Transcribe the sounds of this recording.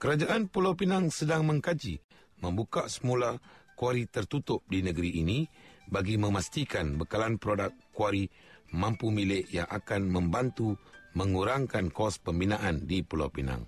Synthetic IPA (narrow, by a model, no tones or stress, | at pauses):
kəɾad͡ʒaʔanpulawpinaŋsədaŋmə̃ŋkad͡ʒi | mə̃mbukaʔsəmulakuaɾit̪ərt̪ut̪ʊp̚dinəɡəɾiʔːnibaɡimə̃mast̪ikanbəkalanpɾodakː | uaɾi | mampumilɪʔjaŋʔakanmə̃mbant̪uməŋuɾaŋkankɔspəmbinaʔandipula̰wpina̰ŋ